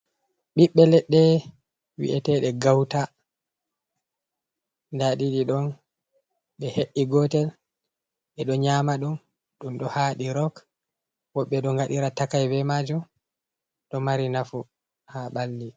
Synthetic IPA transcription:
ɓiɓːɛlɛɗːɛ | wḭʔɛtɛɗɛɡawta | ndaɗiɗiɗɔn | ɓɛheʔːiɡɔtɛl | ɓɛɗɔɲamaɗun | ɗumɗɔhaɗiɾɔk | wɔɓːɛɗɔŋɡaɗiɾatakajbɛmad͡ʒum | ɗɔmaɾinafu | haɓalːi

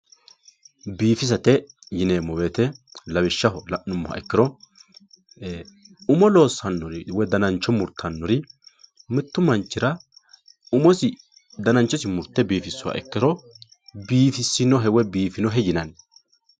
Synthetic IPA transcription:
biːfɪs̬ɐt̪ɛ | jɪneːmɔweːt̪ɛlɐbɪʃːɐɦɔlɐʔːʊmːʊhɐ̰ʔɛkːɪɾɔ | ʊmɔlo̞ːsːɐnːɔɾɪwɛd̪ɐnɐnt͡ʃːɔmʊɾt̪ʰːɐnːɔɾɪ | mɪt̪ːʊmɐnt͡ʃːɪɾɐ | ʊmɔsɪ | d̪ɐnɐnt͡ʃːɔsɪmʊɾt̪ːɛbiːfɪsːʊwɐ̰ʔɛ̰kːɪɾɔ | biːfɪsːɪnɔɦɛwɛbiːfɪnɔɦɛjɪnɐn

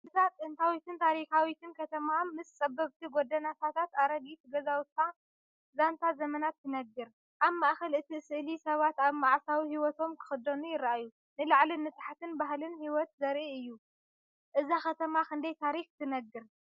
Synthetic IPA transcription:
ɨzat̪ʼɨnt̪ʰawit̪ɨnt̪ʰaɾikawit̪ʰɨnkʰɐt̪ʰɐmamɨst͡sʼɐbːɐβt̪ʰiɡod̪ɐnat̪ʰat̪ʰat̪aɾɐɡit̪ɡɐzawʊt̪ʰːa | zant̪ʰazɐmɐnat̪ʰːɨnɐɡːɨɾ | ʔaβmaʔxɐlʔɨt̪ʰisɨʔlisɐβat̪aβmaʕsawihiwɔt̪ʰo̞mkʰɨ̥xɨd̪ɐnujɪɾʔaju | nɨlaʕlinɨt̪ħat̪ʰɨnbaɦlɨnhiwɔt̪zɐɾʔiɨjːu | ʔɨzaxɐt̪ʰɐmakʰɨnd̪ɐjt̪ʰaɾixt̪ʰɨnɐɡːɨɾ

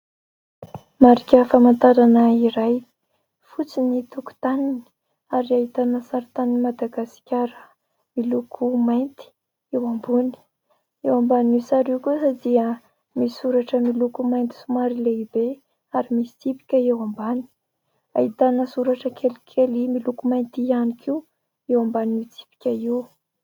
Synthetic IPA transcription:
maɾikʲəfamant̪aɾanəiɾaj | fut͡sinit̪uku̥t̪aninii | aɾiaɦit̪anəsaɾit̪aninmad̪aɡasi̥kʲaɾə | milukʰumajnt̪i̥ | ewambuni̥ | ewambaninisaɾiwkusad̪iə | misuɾaʈ͡ʂəmilukumajnt̪i̥sumaɾileibe | aɾimisi̥t͡sipi̥kʲəewambani̥ | aɦit̪anəsuɾaʈ͡ʂəkʰelikʰelimilukumajnt̪ianikʰiw | ewambaninit͡si̥pi̥kʲaiw

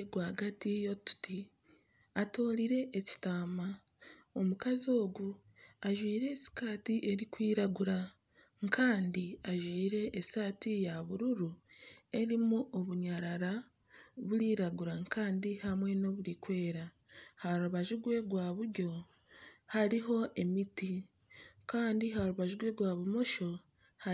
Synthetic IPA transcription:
ɡwaːɡatijo̞tu̥ti | ato̞ːɾiɾe̞ʔːci̥taːma | o̞mukazo̞ːɡu | aʒwiːɾe̞ːsi̥kaːtiʔe̞ɾikwiːɾaɡuɾa | ŋkʰaːndiaʒwiːɾe̞ʔːsaːtijaβuɾuɾue̞ɾimuʔoβuɲaɾaɾa | βuɾiːɾaɡuɾaŋkaːndihamwe̞no̞βuɾikwe̞ːɾa | haɾuβaʒuɡwe̞ɡwaːβuɾɟo̞ | haɾiɦo̞ʔe̞miti | kaːndiɦaɾuβaʒuɡwe̞ɡwaːβumo̞ʃo̞ | ha

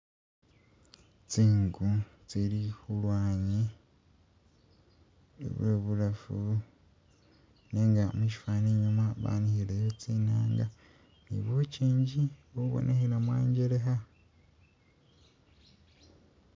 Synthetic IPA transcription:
t͡siːŋɡut͡siɾixulwaːɲi | nḛβueβulafu | neːŋɡa̰muʃi̥faːneɲumaβa̰ːnihiɾejot͡siːnaːŋɡa | nḭβociːɲɟiβouβo̰nʔehiɾamwa̰ːɲɟeɾeɦa

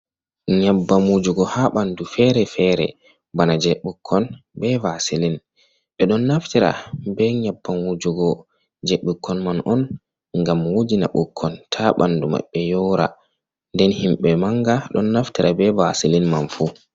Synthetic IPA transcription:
ɲabːamud͡ʒuɡɔhaɓandufɛɾɛfɛɾɛ̰ | banad͡ʒɛɓukʰːɔnbɛvasilin | ɓɛɗɔnːaftiɾa̰bɛɲabːamud͡ʒuɡɔ | d͡ʒɛɓukʰːɔnmanʔɔn | ŋɡamwod͡ʒina̰ɓukʰːɔntʰaɓa̰nduma̰ɓːɛjɔwɾa̰ | ndɛnhimɓɛmaŋɡaɗɔnːaftiɾʔabɛvasilinmanfu

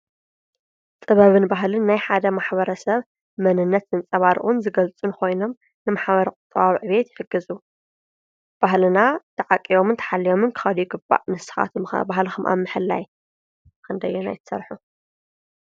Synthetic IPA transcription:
t͡sʼɨβɐβɨnbaɦlɨnːajħad̪ɐmaħβɐɾɐsɐβ | mɐnɨnːɐt̪ɨnt͡sʼɐβaɾ̰ʔunzɨɡɐlt͡sʼunɨkʰo̞jnom | nɨmaħβɐɾɐkʼʊt̪ʼːɨβaβʕɨβet̪jɪħɨɡɨzu | b̥aɦlɨnat̪ʰɐʕakʼːijo̞mɨnt̪ʰɐ̥ħalːijo̞mɨnkʰɨ̥xɐljɪɡɨbːa̰ʔnɨsɨ̥xa̰t̪ʰm̰bahlɨxumʔa̰mːɨħɨlːaj | kʰɨnd̪ɐjɛna̰jt̪ʰɐ̥sɐ̰ɾħu

